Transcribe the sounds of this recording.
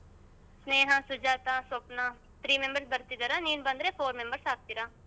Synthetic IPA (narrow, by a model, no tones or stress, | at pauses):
sneːɦãːsʊd͡ʒaːt̪ãːsopnãː | t̪ʰɾiːmẽmbəɾsbəɾt̪iɡ̪əɾãniːnbə̃nd̪ɾẽːfoːɾmẽmbəɾsaːk̚t̪iɾãː